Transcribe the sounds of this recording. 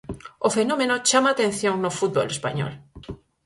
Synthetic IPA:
ofenomẽnot͡ʃamaːt̪ẽn̟θjoŋnofut̪̚bo̰lespa̰ɲo̰l

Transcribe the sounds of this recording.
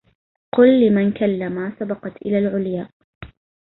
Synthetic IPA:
qʊlːɪmankalːamasabɑqɑt̪ʔɪ̰laːlʕʊljaːʔ

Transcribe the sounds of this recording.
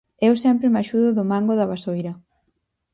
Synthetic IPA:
ɛwsɛmpɾemaʃuðʊðʊmaŋɡoðɐβasojɾɐ

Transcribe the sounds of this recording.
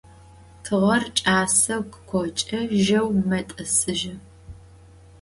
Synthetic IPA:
tʰɨʁɐrt͡ʃʼaːsɐwkʼkʷʰɔt͡ʃʼɐʒɐwmɐtʼɐsɨʒɐ

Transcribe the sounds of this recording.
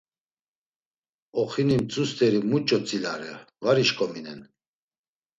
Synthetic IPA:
ɔχinimt͡sʼust̪ɛɾimut͡ʃʼɔt͡sʼilaɾɛ̰vaɾiʃkʼɔminɛn

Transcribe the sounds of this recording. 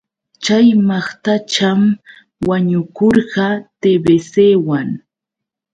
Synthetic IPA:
t͡ʃajmɑχt̪at͡ʃam | waɲʊkoɾɢɑt̪ebeseːwaŋ

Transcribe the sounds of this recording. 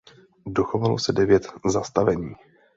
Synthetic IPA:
doxovalo̞sɛdɛvjɛt̪zast̪avɛɲiː

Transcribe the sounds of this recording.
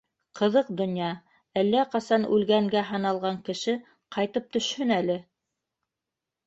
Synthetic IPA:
qɤ̆ðɤqd̪ŏnjɑ | ælːæqɑsɑnʉlɡæŋɡæɦɑnɑlˠʁɑŋkɘ̆ʃɘ | qɑjt̪ɤp̚t̪ɵ̆ʃhɵnælɘ

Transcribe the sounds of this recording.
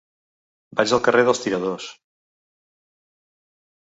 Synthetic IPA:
bad͡ʒəlˠkərʔeðəlˠst̪iɾəðos

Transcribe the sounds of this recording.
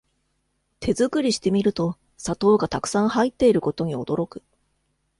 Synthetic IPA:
t̪ʰe̞zɨkɯ̟ɾʲiɕi̥t̪e̞mʲiɾɯ̟t̪o̞ | sat̪o̞ːɡat̪akɯ̟̥sãɰ̃hait̪ːe̞iɾɯ̟ko̞t̪o̞ɲ̟io̞̰d̪̥o̞ɾo̞kɯ̟̥

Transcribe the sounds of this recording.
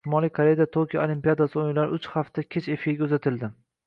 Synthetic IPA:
ʃɪmɒlijkʰaɾejad̪at̪ʰokʲʰija̰olimpijad̪asɪojlaɾʊt͡ʃhaft̪ʰakʲʰet͡ʃe̞fiɾɡʲaɵzat̪ʰɪld̪ɪ

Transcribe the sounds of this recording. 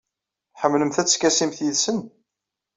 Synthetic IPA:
ħəmːləmθæt͡sːkːæsimθjiðsən

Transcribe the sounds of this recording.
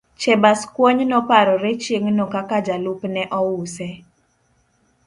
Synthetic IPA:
t͡ʃɛbaskwoɲnɔpaɾɔɾet͡ʃjeŋnokakad͡ʒalupnɛʔɔwusɛ

